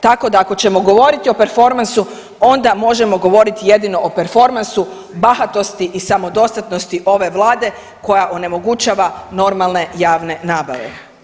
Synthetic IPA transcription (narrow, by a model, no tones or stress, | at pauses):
t̪ako̞d̪aːko̞t͡ɕe̞mo̞ɡo̞ʋo̞ɾit̪io̞pe̞ɾfo̞ɾmansu | o̞nd̪amo̞ʒe̞mo̞ɡo̞ʋo̞ɾit̪ije̞d̪ino̞ʔope̞ɾfo̞ɾmansu | baxat̪o̞st̪iʔisamo̞d̪o̞st̪at̪no̞st̪iʔo̞ʋe̞ʋlˠaːd̪e̞ | ko̞jaʔo̞ne̞mo̞ɡut͡ɕaːʋano̞ɾmalˠne̞jaːʋne̞naːba̰ʋḛ